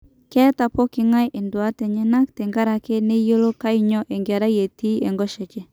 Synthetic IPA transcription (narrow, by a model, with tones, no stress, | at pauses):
kɛ˦ta˨po˦kɪ˦ŋa˦je˨ndwa˦te˨ɲɛ˦na˦k̚te˨ŋɡa˦ɾa˨ke˦ne˦jo˦lo˦ka˦i˦ɲɔ˦ʔe˨ŋɡa˨ɾa˦je˨ti˦e˨ŋɡɔ˦ʃe˨t͡ʃe˦